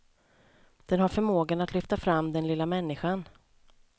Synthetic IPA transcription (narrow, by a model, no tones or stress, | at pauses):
d̪̥ɛnɦaɾfœɾmoːɡanat̪lʏft̪afɾamːd̪ɛnlɪlːamɛnːɪɧan